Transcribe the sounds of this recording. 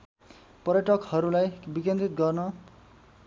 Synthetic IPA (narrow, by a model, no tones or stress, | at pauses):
pʌrjʌʈʌkhʌɾulajbikẽnt̪rit̪̚ɡʌrnʌ